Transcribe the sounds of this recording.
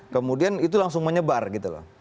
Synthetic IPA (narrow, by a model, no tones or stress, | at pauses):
kəmudianit̪ulaŋsʊŋməɲəbarɡit̪ulɔ̰